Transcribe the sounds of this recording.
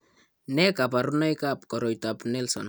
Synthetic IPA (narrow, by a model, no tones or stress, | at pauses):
nɛkapaɾunajkap̚kɔɾɔjtapnɛlsɔ̰n